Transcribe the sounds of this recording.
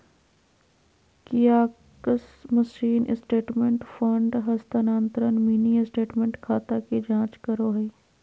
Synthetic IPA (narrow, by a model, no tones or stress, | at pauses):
kɪjaː | kəsməʃiːnʔɪsʈeːʈmẽɳʈfʰəɳɖɦɐst̪anaːnt̪ɾənmiːniɪsʈeːʈmẽɳʈkʰaːt̪akid͡ʒãːt͡ʃkəɾoːɦɛi